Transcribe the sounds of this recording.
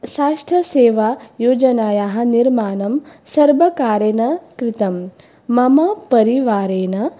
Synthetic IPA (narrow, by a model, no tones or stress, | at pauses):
ʃaːst̪ʰjɐseːʋaːjoːd͡ʒɐnaːjaːɦɐ̆niɾmaːnɐmsɐɾbɐkaːɾeːnɐkɾɪt̪ɐmː | ɐmɐpɐɾiʋaːɾeːnɐ